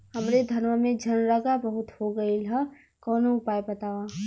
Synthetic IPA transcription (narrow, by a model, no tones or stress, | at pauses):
hɐmɾed̪ʱɐnʋəmẽd͡ʒʱɐnɾəɡabəɦʊt̪hoɡɐila | kɔːnoʊpaːjbɐt̪aːwaː